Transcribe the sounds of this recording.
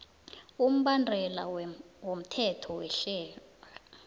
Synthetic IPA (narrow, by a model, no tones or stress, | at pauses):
um̩ɓandʱɛla̰wom̩tʰɛtʰɔwɛɬɛːla